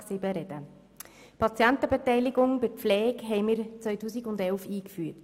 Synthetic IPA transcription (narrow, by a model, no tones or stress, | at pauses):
sɪbəɾɛd̥ə | pʰɑt͡sjɛntəbɛtɛɪlɪɡʊŋb̥ɪɾpflɛːkɦɛɪmɪːɾt͡sʋœʏtuːsiɡʊndɛlfiːkfyːət